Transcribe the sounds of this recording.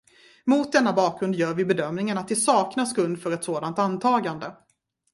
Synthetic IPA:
mʊt̪̚d̪ɛnːabɑːk̚ɡɾɵnd̪jœːɾvɪbɛd̪œmnɪŋənat̪̚d̪ɛsɑːknaskɵnd̪fœɾɛt̪soːd̪ant̪ant̪ʰɑːɡand̪ə

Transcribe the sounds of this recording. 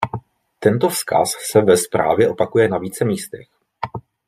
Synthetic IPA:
t̪ɛnt̪o̞fska̰sːɛvɛspɾa̰ːvjɛʔo̞pakujɛnaviːt͡sɛmiːst̪ɛx

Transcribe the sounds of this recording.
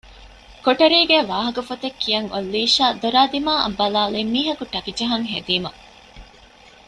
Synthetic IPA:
koʈɐɾiːɡeːʋaːɦɐkɐfɐt̪ɐkʰːijɐŋolːiːʃaːd̪oɾaːd̪imaːʔɐ̰bːɐlaːleːmːiːɦɐkuʈɐkid͡ʒɐɦɐŋɦed̪iːmɐ

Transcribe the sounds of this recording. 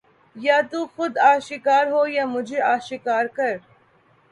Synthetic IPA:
jaːt̪uːxʊd̪aːʃɪkaːɾɦoːjaːmʊd͡ʒʱeaːʃɪkaːɾkɐɾ

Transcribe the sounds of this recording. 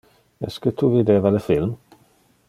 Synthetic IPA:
ɛ̰skət̪ʰuvid̪eːvaləfɪlm

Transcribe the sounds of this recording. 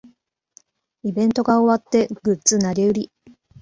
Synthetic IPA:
ibẽ̞nt̪o̞ɡao̞βat̪ːe̞ɡ̥ɯ̟tt͡sɨnaɾʲiɯ̟ɾʲi

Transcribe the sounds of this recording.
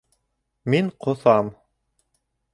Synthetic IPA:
miɴqʰŏθɑm

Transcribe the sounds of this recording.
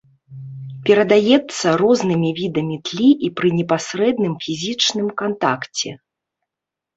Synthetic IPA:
pʲɛɾɐd̪ajɛt̪sːɐɾɔznɨmʲivʲid̪ɐmʲit̪lʲiʔipɾɨnʲɛpasɾɛd̪nɨmfʲizʲit͡ʂnɨmkant̪a̰kt͡sʲɛ

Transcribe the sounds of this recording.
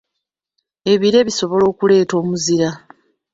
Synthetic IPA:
e̞βiɾe̞βiso̞βo̞lo̞ːkule̞ːto̞ːmuziɾa

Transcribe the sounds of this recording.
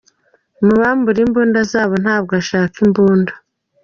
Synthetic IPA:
muβaːmbuɾimbuːndazaːβo̞nhaːb̚ɡaʃaːkimbuːndḁ

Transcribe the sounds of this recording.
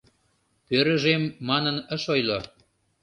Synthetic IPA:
pøɾə̆ʒemːɑnənə̆ʃojlo

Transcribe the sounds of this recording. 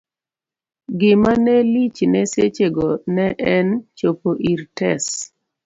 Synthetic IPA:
ɡɪmanɛlit͡ʃnɛset͡ʃeɡɔnɛʔɛnt͡ʃopoʔiɾtɛs

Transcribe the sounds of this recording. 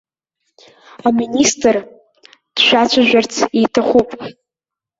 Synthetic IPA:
aministʼr | d̥ʃʷᶣat͡ɕʷʰaʒᶣʷart͡sʰitʰaχʷupʼ

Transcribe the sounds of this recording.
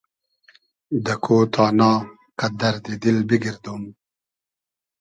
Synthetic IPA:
d̪ɐkʰot̪ʰɑːnɑː | kɐd̪ɐɾd̪id̪ilbiɡiɾd̪um

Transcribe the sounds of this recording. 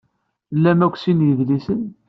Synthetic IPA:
lːæmækʷːsinjəðlisən

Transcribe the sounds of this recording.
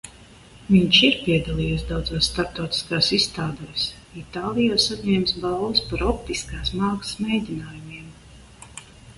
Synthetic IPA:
viɲʃiɾpʲiɛd̪alˠiːjɛsd̪awd̪zaːsːt̪aɾp̚t̪awt̪i̥skaːsist̪aːd̪ɛːs | it̪aːlˠijaːsaɲɛːmsbalˠvɨspaɾɔpt̪iskaːsmaːksmɛjd̪ʲinaːjumiɛm

